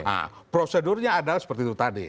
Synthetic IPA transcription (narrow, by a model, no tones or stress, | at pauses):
a̰ | pɾosedʊrɲaːdalahsə̥pərt̪iːt̪ut̪adḭ